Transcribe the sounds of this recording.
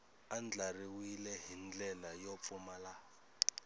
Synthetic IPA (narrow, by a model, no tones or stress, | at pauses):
and͡ɮariwilɛɦind͡ɮɛlajɔp̪fumala